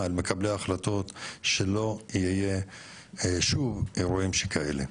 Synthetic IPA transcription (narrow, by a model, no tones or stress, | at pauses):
almekableaχlat̪o̞t̪ʃelo̞iije | ʃuveɾuimʃekʰae̞̰lḛ